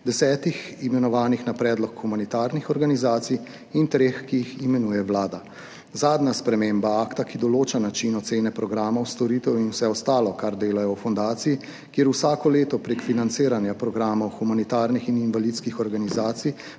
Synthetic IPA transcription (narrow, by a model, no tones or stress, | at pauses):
d̪ɛsɛːt̪iximɛnɔʋaːnixnapɾɛːd̪lɔkxumanit̪aːɾnixɔɾɡanizaːt̪sij | int̪ɾeːxkijiximɛnuːjɛwlaːd̪a | zaːd̪naspɾɛmeːmbaaːkt̪akid̪ɔloːt͡ʃanat͡ʃinɔt̪seːnɛpɾɔɡɾaːmɐwst̪ɔɾit̪ɛwjinwsɛɔst̪aːlɔkaɾd̪eːlajɔwfɔnd̪aːt̪siji | kjeːɾusaːkɔleːt̪ɔpɾekfinant̪seːɾanjapɾɔɡɾaːmɔwxumanit̪aːɾnixininʋalit̪skixɔɾɡanizaːt̪sij